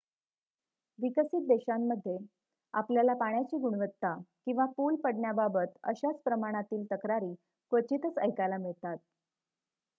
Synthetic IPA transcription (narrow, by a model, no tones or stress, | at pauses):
ʋikəsit̪̚d̪eɕamːəd̪ʱːje | a̰pljalapaɳjat͡ɕiːɡuɽʋət̪ːakĩw̃ʋapulpəɽɳjababət̪ə̰ɕat͡spɾəmaɽ̃at̪iːlt̪əkɾaɾiː | kʋət͡ɕit̪ət͡sə̰jkalamiɭt̪at̪̚